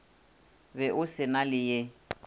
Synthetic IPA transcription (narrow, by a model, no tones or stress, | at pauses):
bɛʔʊsɪnalɪje